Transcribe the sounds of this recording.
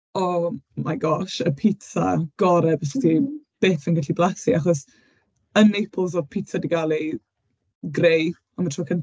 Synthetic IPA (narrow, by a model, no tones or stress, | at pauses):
ɔmajɡɔʃəpʰɪtʰa̰ɡ̥ɔɾɛbəstʰib̥eːfənɡaɬiblˠasiaχɔs | ənejpʰəlˠzɔpʰitʰadiɡalˠi | ɡrej | ɔmatʰroːkʰən